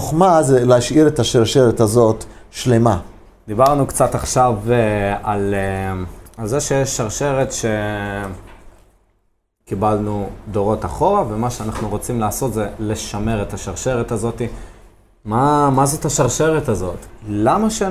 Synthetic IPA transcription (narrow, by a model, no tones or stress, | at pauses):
oχmazeleaʃiʁetaʃaʁʃeʁetazo̞t̪ʃlema | d̪ibaʁnukt͡sataχʃavalealzeʃejeʃːaʁʃe̞ʁet̪ʃe̞ | kibalnudo̞ʁo̞taχo̞ʁave̞maʃeanaχnuʁo̞t͡simlaːso̞t̪zele̞ʃame̞ʁet̪aʃaʁʃe̞ʁetazo̞t̪i | mamazo̞taʃaʁʃe̞ʁetazo̞tlamaʃe